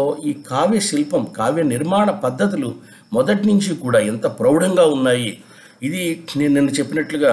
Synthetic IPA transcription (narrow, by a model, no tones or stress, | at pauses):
oːiːkʰaːʋeːʃilpɐmkaːʋeniɾmaːɳɐpɐd̪ʱːɐt̪̬ilu | mɔd̪ɐʈnuɲt͡ʃikuːɽaːent̪ɐpɾɐwɽɐŋɡaːunːaːji | id̪inenenːut͡ʃe̞pːinɐʈluɡaː